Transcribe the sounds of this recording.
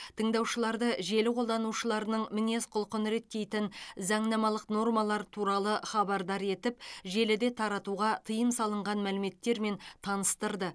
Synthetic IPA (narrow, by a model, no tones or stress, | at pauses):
t̪ʰəɴd̪ɑwʃəlˠɑɾd̪əʒe̞lɪqʰo̞lˠd̪ɑnuʃəlˠɑɾənəɴmɪne̞sqʰʊlˠqənəɾe̞t̪ːe̞jt̪ɪnzɑɴnɑmɑlˠəqno̞rmɑlˠɑɾt̪ʰuɾɑlˠəχɑbɑɾd̪ɑɾe̞t̪ɪp̚ʒe̞lɪd̪e̞t̪ʰɑɾɑt̪uʁɑt̪ʰəjəmsɑlˠəɴʁɑnmælɪme̞t̪ːe̞ɾme̞nt̪ʰɑnəst̪əɾd̪ə